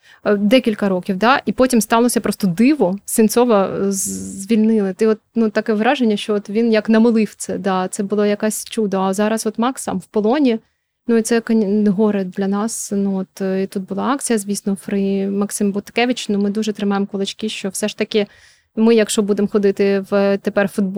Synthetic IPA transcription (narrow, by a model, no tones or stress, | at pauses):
d̪ɛkʲilʲkɐɾɔkʲiwd̪ɑʔipɔtʲimst̪ɑlˠɔsʲɐpɾɔst̪ɔd̪ɪʋɔsʲɪnt̪sɔʋɐ | zʲʋʲilʲnɪlˠɪt̪ɪɔt̪̚nut̪ɑkɛʋɾɑʒenʲːɐʃt͡ʃɔɔt̪ʋʲinjɐknɐmɪlˠɪwt̪sɛd̪ɑt̪sɛbʊlˠajɐkasʲt͡ʃud̪ɐːzɑɾɐsɔt̪mɑksɐ̰mwpɔlˠɔnʲi | nuit̪sɛkɐɦɔɾed̪lʲɐnɑsnuɔt̪it̪ut̪̚bʊlˠɑɑk̚t͡sʲijɐzʲʋʲijsnɔfɾɪmɐksɪmbʊt̪kɛʋʲɪt͡ʃnumɪd̪uʒɛt̪ɾɪmɑjemkɔlˠɪt͡ʃkɪʃt͡ʃɔwsɛʂt̪ɐkʲɪ | mɪjɐkʃt͡ʃɔbud̪emxɔd̪ɪt̪ɪʋt̪epɛrfʊd̪̚b